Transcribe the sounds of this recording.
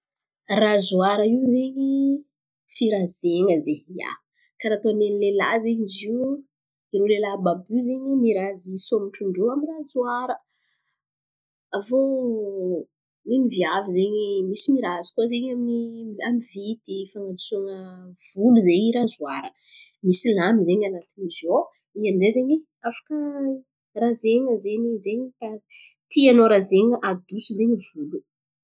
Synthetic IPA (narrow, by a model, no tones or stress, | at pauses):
razuaɾəiwzeɲi | fiɾazeŋəzeja̰ | kaɾat̪onenlela̰zeɲiziw | iɾolelababuzeɲimiɾazisomiʈ͡ʂuɳɖ͡ʐoamirazwaɾə | avo | nimivjavizeɲimisimiɾazu̥kʲozeɲaminiamivit̪ifaŋad̪u̥suŋəv̥uluzeɲiɾazuaɾə | misilamizeɲanat̪inizo | iand̪ezeɲi | afḁkə | razeŋəzeɲizeɲikat̪ianoɾazeɲəʔad̪usuzeɲivulu